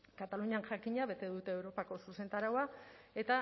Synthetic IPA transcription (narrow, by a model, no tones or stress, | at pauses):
kat̪aluɲianʝakiɲaβe̞t̪e̞ðut̪e̞ːwɾo̞pako̞suse̞nt̪aɾawae̞t̪a